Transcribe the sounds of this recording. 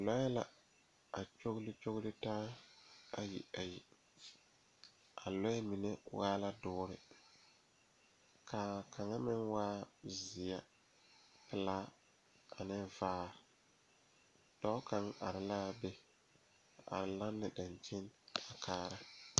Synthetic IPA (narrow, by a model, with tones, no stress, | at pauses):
lɔ˦jɛ˦la˦ | a˨t͡ʃo˦ɣlɪ˦t͡ʃo˦ɣlɪ˦taː˦ | a˨jḭ˨a˨ji˨ | a˨lɔ˦ɛ˦mi˨ne˦waː˦la˦dʊː˦ɾɪ˨ | ka˨kʰa˨ŋa˦mɪ˦nwaː˦zɪ˨a˦ | pɪ˨laː˦ | a˨nɪ˦vaː˦ | d̥ɔ˦ka˨ŋʔa̰˨ɾɪ˨la˦˨bɛ˦ | a˨a̰˨ɾɪ˨la˦nːɪ˨da˨nt͡ʃɪ˦na˨kʰaː˦ɾa˦